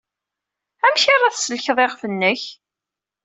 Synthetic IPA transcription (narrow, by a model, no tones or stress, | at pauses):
æmçaɾˤɑθsəlçðˤeʁfənːəç